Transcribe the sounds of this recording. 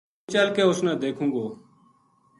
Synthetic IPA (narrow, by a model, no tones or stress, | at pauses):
t͡ʃəlkeːʊsnɛ̃ːd̪eːkʰũːɡoː